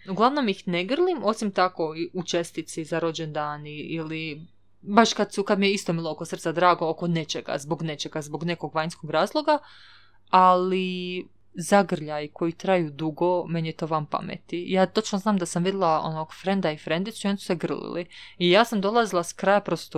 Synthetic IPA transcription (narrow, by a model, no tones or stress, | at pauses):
uɡlˠaʋno̞mixneɡr̩lˠimo̞simt̪ako̞iut͡ʃest̪it̪sizaɾo̞d͡ʑend̪aːniili | baʃkad̪sukad̪mijeist̪o̞bilˠookosr̩t̪sad̪ɾaːɡooko̞ne̞t͡ʃeɡa̰zbo̞ɡne̞t͡ʃe̞ɡazboɡne̞ko̞ɡʋaɲnskoɡɾaːzlˠo̞ɡa | ali | zaɡr̩ʎajko̞jit̪ɾajuːd̪uɡo̞menjet̪o̞ːʋampa̰mḛt̪ijaːt̪o̞t͡ʃnoznaːmd̪asamʋid̪ilˠao̰noɡfɾend̪aifɾend̪isuio̞nisu̥seɡr̩lḭlḭijaːsamd̪o̞lˠazilˠaskɾaːjapɾo̞st̪o